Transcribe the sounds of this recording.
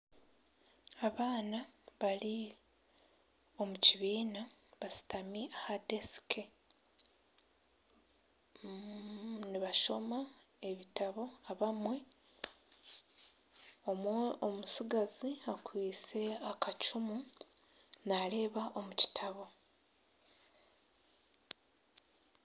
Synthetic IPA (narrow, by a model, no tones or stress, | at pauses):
aβaːnaβali | o̞muciβiːnaβasi̥tamiʔahade̞si̥kʰe | niβaʃo̞ma | e̞βitaβo̞aβamwe̞ | o̞mweomusiɡaziakwiːt͡se̞akat͡ʃumu | nale̞ːβaʔomuci̥tʰaβo̞